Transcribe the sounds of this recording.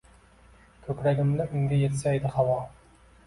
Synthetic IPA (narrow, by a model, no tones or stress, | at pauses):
kʲʰɵpɾæɡʲɪmlɪʔʏŋɡʲejet̪sæjd̪ɪχɑwɑ